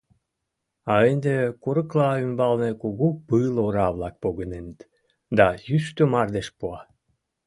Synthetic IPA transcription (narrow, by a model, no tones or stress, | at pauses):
ɑend̪ekuɾɤ̆klɑymbɑlnekuɣupɨloɾɑβlɑk̚poɣənenət̪ | d̪ɑjyst̪ømɑrd̪eʃpuɑ